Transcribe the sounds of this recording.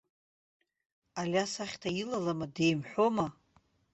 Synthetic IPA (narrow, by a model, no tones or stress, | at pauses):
alʲasaχʲtʰailalamade̞jmħʷᶣoma